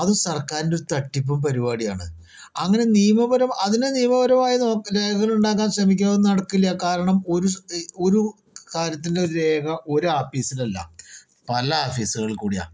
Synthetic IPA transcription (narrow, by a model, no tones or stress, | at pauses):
ɐðumsɐrkaːɾindoɾut̪ɐʈːip̬ːumpɐɾibaːɽija̰ːɳɐɨ | ɐŋːɐne̞nijɐmɐbɐɾɐmɐðindenijɐmɐβɐɾɐmaːjino̞ːkɾe̞ːɡɐɣɐɭuɳɖaːk̬ːaːnɕrɐmikʲːaːðenːɨnɐɽɐkːilɐjɐkaːɾɐɳɐmo̞ɾuo̞ɾu | kaːɾjɐt̪̬ːindeoɾuɾe̞ːkʰɐʔo̞ɾuaːfiːsilɐlːɐ̰ | pɐlɐaːfiːsuɣɐɭkuːɽija̰ː